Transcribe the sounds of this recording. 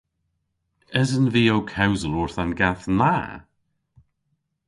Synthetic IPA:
əzənviːowkʰawzəlʊɹθanɡaθna

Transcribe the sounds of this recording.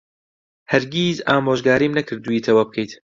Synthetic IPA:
hɐɾɡʲiːzaːmoːʒɡaːɾiːmnɐkʰɨɾd̪uiːt̪ʰɐwaːb̚kʰejt̪

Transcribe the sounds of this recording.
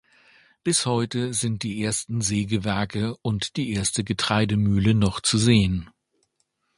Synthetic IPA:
b̥ɪshɔʏtəzɪnt̚d̥iːʔeːɐstn̩zeːɡəvɛɐkəʊntd̥iːʔeːɐstəɡətʁ̥aɪdəmyːlənɔχt͡suzeːən

